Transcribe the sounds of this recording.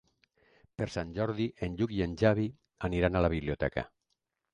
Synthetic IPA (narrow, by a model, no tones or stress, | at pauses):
peɾsanʲʒɔɾðiʔenʎukienʲʒaβi | aniɾanalaβ̞iβliot̪ɛka̰